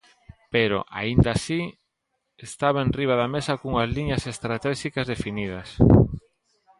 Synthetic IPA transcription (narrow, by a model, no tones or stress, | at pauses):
peɾo̰ʔa̰ind̪asi | est̪aβaẽnriβ̞aðamesakuŋazliɲɐsest̪ɾat̪ɛʃikazðefinið̞ɐs